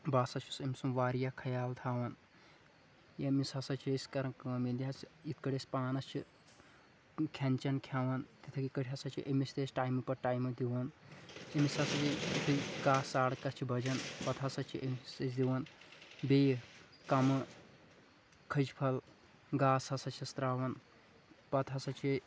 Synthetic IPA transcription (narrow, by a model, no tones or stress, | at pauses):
baːsɐt͡ʃʰusɐmʲsumʋaːɾijakʰɐjaːlt̪ʰaːʋɐn | jɐmisɐsɐt͡ʃʰesʲkɐɾɐkɐmild̪iɦɐsit̪̚ʰkɐɽʲespaːnɐst͡ʃʰi | kʲʰɐnʲt͡ʃɐnkʰjaːʋɐnt̪it̪ʰɐkikɐɽʲɦɐsɐt͡ʃʰiʔemist̪esʈaːjmipɐɾʈaːjmɨd̪iʋɐnjɐmisɐsɐt͡ʃʰiit̪ʰiɡaːsaːɽkɐst͡ʃʰibʱɐd͡ʒɐnpɐt̪ʰɐsɐt͡ʃʰiʔemisesd̪iʋɐnbeː | kɐmɨ | kʰɐd͡ʒpʰɐl | ɡaːsɐsɐt͡ʃʰist̪ɾaːwɐn | pɐt̪ʰɐsɐt͡ʃʰi